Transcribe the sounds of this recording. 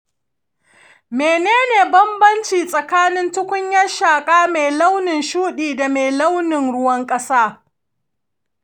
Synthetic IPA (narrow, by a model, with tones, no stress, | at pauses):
meː˨neː˦neː˨bɐ˦mbɐ˦nt͡ʃiː˨sʼɐ˨kaː˦nɪ˦ntʊ˦kʷʊ˦ɲjɐ˦ʃaː˨kʼaː˦me˨jla˦wnɪ˨nʃuː˦ɗiː˨da˨meː˨lɐ˦wnɪ˨ŋɽʊ˦wɐ˦ŋkʼɐ˦saː˦